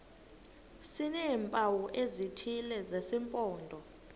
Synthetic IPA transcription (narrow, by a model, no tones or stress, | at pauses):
sinɛmpʼawɔʔezitʰilɛzesimpʼɔːndʱɔ